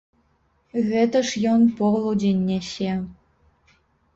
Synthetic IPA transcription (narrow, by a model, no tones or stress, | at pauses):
ɣʲĕt̪ə̆ʂjonpoʁlˠud͡ʑenʲːeɕe